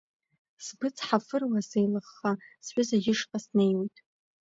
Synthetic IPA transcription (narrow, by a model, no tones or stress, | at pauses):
sbɨt͡sʰʼħafɨrwasejlɨχːasħʷᶣʊzaɡʲɪʂqʼasnejwejtʼ